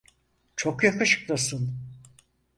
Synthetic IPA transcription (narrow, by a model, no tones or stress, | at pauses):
t͡ʃʰokjakɯʃɯ̥k̚lˠasɯn